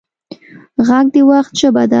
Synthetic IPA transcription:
ɣaɡ̚d̪əwaxt̪̚ʃəbad̪a

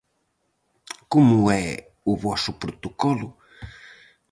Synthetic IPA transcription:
komʊɛ | ʊβɔsʊpɾot̪okɔlʊ

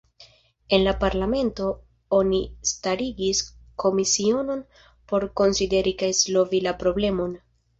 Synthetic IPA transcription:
e̞nlapaɾlame̞nto̞ | o̞nistaɾiɡiskʰo̞misio̞no̞n | po̞ɾko̞nside̞ɾikajslo̞vilapɾo̞ble̞mo̞n

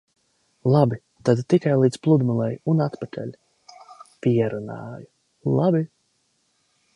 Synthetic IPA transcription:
lˠabi | t̪ad̪t̪ikajlˠiːd̪splˠud̪mulˠɛjunat̪pakʰɛ̰lʲ | pʲiɛɾunɑ̰ːju | lˠabi

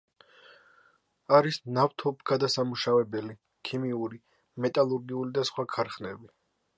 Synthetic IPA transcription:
aɾisnaft̪ʰɔbɡad̪asamuʃavɛbɛli | kʰimiuɾi | mɛt̪ʼalˠuɾɡiulid̪asχwakʰaɾχnɛbi

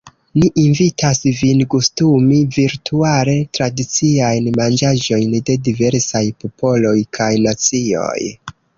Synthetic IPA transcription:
niʔinvitasvinkustumiviɾtuaɾe̞tɾadit͡siajnmand͡ʒaʒo̞jnde̞dive̞ɾsajpo̞po̞lo̞jkʰajnat͡sio̞̰j

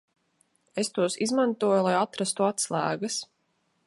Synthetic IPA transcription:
est̪uɔsizmant̪uɔjulˠajat̪ɾast̪uat̪slˠæːɡas

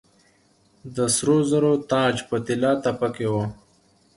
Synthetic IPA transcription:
d̪əsɾozəɾot̪ɑːd͡ʒpət̪ɪlɑt̪apakewo

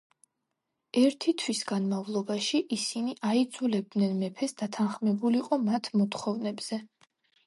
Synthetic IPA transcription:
ɛɾt̪ʰit̪ʰwisɡ̥anmavlˠɔbaʃiʔisiniʔaid̪zulɛb̚d̪nɛnmɛpʰɛsd̪at̪ʰanχmɛbuliqʼɔmat̪ʰmɔt̪ʰχɔvnɛbz̥ɛ

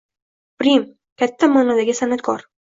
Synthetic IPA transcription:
b̥ɾim | kʲat̪ʰːamaːnɒd̪aɡʲɪsanat̪̚kʰɒɾ

